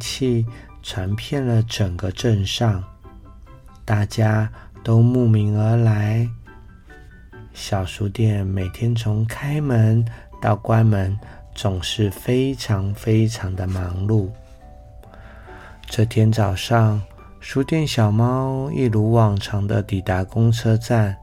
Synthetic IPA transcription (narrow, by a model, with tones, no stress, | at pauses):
t͡ɕʰi˥˩ | t͡sʰwa˧˥npʰjɛ˥˩nlə˩ʈ͡ʂə˨˩ŋɡə˦ʈ͡ʂə˥˧nʂɑ˥˩ŋ | t̪a˥˩t͡ɕja˥t̪o˥ʊmu˥˩mi˧˥ŋə˞˧˥la˧˥ɪ | ɕjɑ˨˩ʊʂu˧˥t̪jɛ˥˩nme˨˩ɪt̪ʰjɛ˥nt͡sʰʊ˧˥ŋkʰa˥ɪmə˧˦˥nt̪ɑ˥˩ʊkwa˥nmə˧˦˥n | t͡sʊ˨˩ŋʂɻ̩˥˩fe˥ɪʈ͡ʂʰɑ˧˥ŋfe˥ɪʈ͡ʂʰɑ˧˥ŋd̪ə˧mɑ˧˥ŋlu˥˩ | ʈ͡ʂɤ˥˩t̪ʰjɛ˥nt͡sɑ˨˩ʊʂɑ˥˩ŋ | ʂu˧˥t̪jɛ˥˩nɕjɑ˨˩ʊmɑ˥ʊḭ˥˩lu˧˥wɑ˨˩ŋʈ͡ʂʰɑ˧˥ŋd̪ə˧t̪i˨˩t̪a˧˥kʊ˥ŋt͡sʰɤ˥t͡sa˥˩n